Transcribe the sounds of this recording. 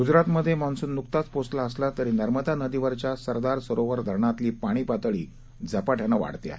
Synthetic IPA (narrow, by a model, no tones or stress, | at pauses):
ɡud͡zɾat̪məd̪ʱːjemañsuːnːukt̪at͡sposlaəslat̪əɾiːnəɾməd̪ʱanəd̪iʋəɾt͡ɕjasəɾd̪aɾsəɾoʋəɾd̪ʱəɾɳat̪liːpaɽ̃iːpat̪əɭḭː | d͡zəpaʈʰjanəʋa̰ɽt̪ea̰ɦe